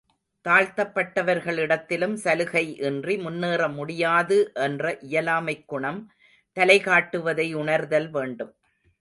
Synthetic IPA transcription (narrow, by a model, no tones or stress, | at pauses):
t̪aːɻt̪ɐpːɐʈːɐʋɐɾɣɐɭɪɽɐt̪ːɪlɯmsɐlɯɣɐɪʔɛndrimʊnːeːrɐmʊɽɪjaːðɯʔɛndrɐʔɪjɐlaːmɐɪkːʊɳɐm | t̪ɐlɐɪɣaːʈːɯʋɐðɐɪʊɳɐɾðɐlʋeːɳɖɯm